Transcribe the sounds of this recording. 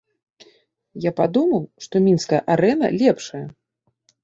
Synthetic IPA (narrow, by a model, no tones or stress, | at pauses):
japad̪umɐwʂt̪ɔmʲinskɐjɐ̰ʔaɾɛn̪ɐ̰lʲɛpʂɐjɐ